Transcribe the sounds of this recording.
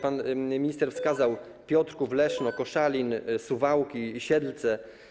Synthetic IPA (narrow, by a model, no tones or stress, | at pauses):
panmʲiɲist̪ɛɾfskazaw | pʲjɔt̪ɾkuvlɛʂnɔkɔʂalʲinsuvawkʲiːɕɛd̪lt̪sɛ